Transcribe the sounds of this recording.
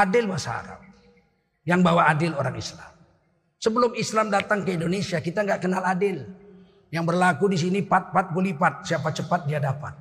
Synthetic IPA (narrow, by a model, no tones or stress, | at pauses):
adɪlbasaa̰ɾa̰m̚ | jaŋbawaːdɪloɾaŋḭsla̰m | səbəlʊmislamdat̪aŋkəindonesiakit̪aŋɡaʔkənaladɪl | jaŋbərlakudisinipat̪̚pat̪̚ɡolipat̪̚siapat͡ʃəpat̪̚diɦadapa̰n